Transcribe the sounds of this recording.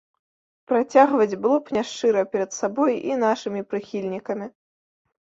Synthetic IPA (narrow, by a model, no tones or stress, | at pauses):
pɾat͡sʲaɣvɐd͡zʲblˠupnʲaʂt͡ʂɨɾɐpʲɛɾɐt̪sabɔjḭn̪aʂɨmʲipɾɨxʲilʲnʲikɐmʲi